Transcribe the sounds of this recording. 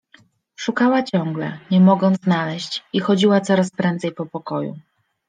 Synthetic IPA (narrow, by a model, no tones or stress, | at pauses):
ʂukawat͡ɕɔŋɡlɛ̰ɲɛmɔɡɔnt̪znalɛɕt͡ɕixɔd͡ʑiwat̪sɔɾaspɾɛnt̪zɛjpɔpɔkɔjṵ